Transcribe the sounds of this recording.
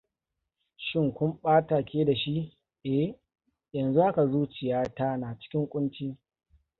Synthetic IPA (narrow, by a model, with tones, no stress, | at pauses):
ʃɪ˦ŋkʷʊ˦mɓaː˦taː˨kʲeː˦da˨ʃi˦ʔ | ʔɛ˦˨ | jɐ˨nzu˦ha˦ka˨zuː˦t͡ʃɪ˨jaː˦ta˦naː˨t͡ʃɪ̥˦kʲɪ˦ŋkʷʼʊ˦nt͡ʃiː˦